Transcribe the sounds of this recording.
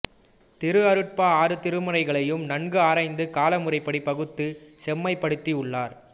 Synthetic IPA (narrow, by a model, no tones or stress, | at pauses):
t̪ɪɾɯɐɾɯʈ̚paːaːɾɯt̪ɪɾɯmɯrɐɪɣɐɭɐjɯmnɐɳɡɯaːɾɐɪnd̪ɯkaːlɐmɯrɐɪpːɐɽipːɐɣɯt̪ːɯsɛmːɐɪpːɐɽɯt̪ːiʊɭːaːɾ